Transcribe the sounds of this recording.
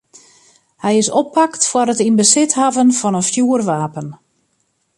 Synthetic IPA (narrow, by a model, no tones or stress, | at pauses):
hɛjɪsɔpʰːaktfwaɾətinbəsɪthavənfɔnənfjuərʋaːpən